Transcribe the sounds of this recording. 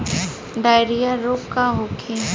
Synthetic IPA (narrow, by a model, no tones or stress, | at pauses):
ɖ̪aːjɾijaɾoːkkaɦokʰẽ